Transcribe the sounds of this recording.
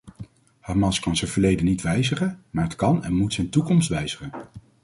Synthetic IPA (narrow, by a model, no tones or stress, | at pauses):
hɑɹmɑnskɑnzɛjv̥əɹlejdənːitʋɛjzəχənmaːɹɦətkɑnɛ̰nmutsɛjntukɔmstʋɛjz̥əχən